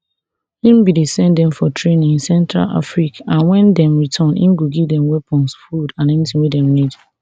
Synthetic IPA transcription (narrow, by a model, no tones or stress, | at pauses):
ĩmbidisɛ̃ndɛ̃mfɔtʰɹẽnĩnsɛ̃ntɹa̰la̰fɹikãnwɛ̃ndɛ̃mɹitʰɔ̃nḭ̃mɡoɡivdɛ̃mwɛpʰɔ̃nsfudãnɛnitʰĩŋwidɛ̃mlid